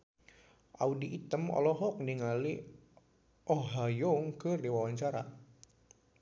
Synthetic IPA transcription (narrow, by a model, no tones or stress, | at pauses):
ʔaudiʔːt̪əmɔ̰lɔɦɔk̚niŋali | ʔɔɦajɔŋkɨrdiwawaɲt͡ʃaɾa̰